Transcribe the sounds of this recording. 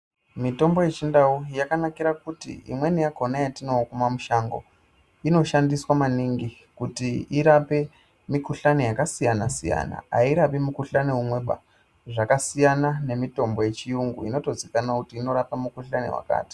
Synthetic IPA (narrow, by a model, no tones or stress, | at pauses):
mito̞mbo̞je̞t͡ʃindaujakanakiɾakutḭḭmwe̞nijako̞najatinokumamuʃaŋɡo̰ | ino̞ʃandiswamaniŋɡi | kutiiɾape̞ | mikuɬanijakasijanasija̰na̰a̰iɾapimukuɬaneɦumwe̞ɓa̰ | ʐakasijanane̞mito̞mbo̞je̞t͡ʃijuŋɡṵḭnoto̞zikanakutiːno̞ɾapamukuɬanḭwa̰ka̰ːti̥